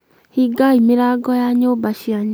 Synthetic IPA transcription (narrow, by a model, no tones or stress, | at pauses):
hiɡaimeɾaɡɔjaɲombaʃiaɲ